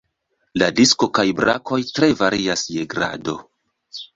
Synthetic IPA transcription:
ladisko̞kajbɾa̰kʰo̞jtɾe̞vaɾiasje̞ɡɾa̰do̞̰

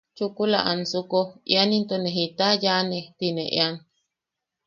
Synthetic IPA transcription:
t͡ʃukula̰ʔansukoḭanint̪oneɦit̪ajanet̪inḛ̃ʔḛan

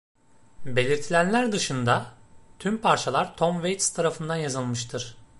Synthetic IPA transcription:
be̞lʲiɾt̪ʰilʲænlʲæɾd̪ɯʃɯnd̪at̪ʰympʰaɾt͡ʃʰalˠaɾt̪ʰomvejt̪st̪ʰaɾafɯnd̪anjazɯlˠmɯʃt̪ʰɯɾ̥

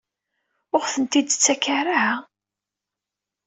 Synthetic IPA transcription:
ʊʁθənt̪id̪t͡sːækːaraha

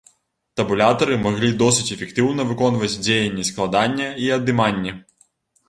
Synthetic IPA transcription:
t̪ɐbulʲat̪ɐɾɨmaɣlʲid̪ɔsɨt͡sʲɛfʲɛkt̪ɨwnɐvɨkɔnvɐt͡sʲd͡zʲejɐnʲːɛsklˠad̪anʲːɐiɐd̪ɨmanʲːɛ

